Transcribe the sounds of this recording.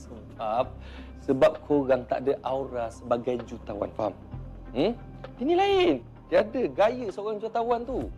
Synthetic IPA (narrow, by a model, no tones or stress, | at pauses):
səmpap̚ | səbap̚kʰoɣaŋt̪a̰ʔdəʔawɾasəbaɡajd͡ʒut̪awa̰nfa̰m | m̩ | inĩlaɪn | t̪iadəɡajəsəoɣaŋd͡ʒuat̪awant̪u